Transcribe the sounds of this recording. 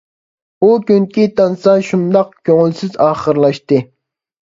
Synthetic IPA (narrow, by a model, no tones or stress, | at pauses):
ukʲyŋkʲit̪ɑnsɑʃund̪ɑq̚kʲʰøŋylsɪzɑːχəɾlˠɑʃt̪ɨ